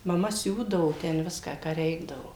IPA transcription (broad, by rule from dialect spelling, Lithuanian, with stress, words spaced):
mɐˈmɐ ˈsʲuːdɐʋoː tʲɛn ˈʋʲɪskɑː kɑː ˈrʲɛɪɡdɐʋoː